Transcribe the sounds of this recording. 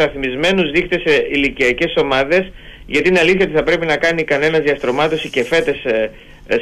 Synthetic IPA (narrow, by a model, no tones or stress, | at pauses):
ɐθmizme̞nuzðixt̪eseiliciɐce̞so̞mɐðe̞s | ʝɐt̪iineɐliθçɐt̪iθɐpɾe̞pinɐkɐnikɐne̞nɐzðiɐst̪ɾo̞mɐt̪o̞sice̞fe̞t̪e̞s